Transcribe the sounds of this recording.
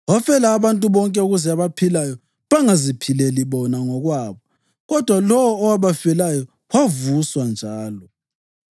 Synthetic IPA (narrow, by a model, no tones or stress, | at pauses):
wafɛlaːβantʼuβɔŋkʼɛuɣuzɛaβapʰilajɔ | βaŋazipʰilɛliβɔnaŋɔɣwaβɔ | ɣɔd̥ʱwalɔwɔːwaβafɛlajɔ | wavuswand͡ʒʱaːlɔ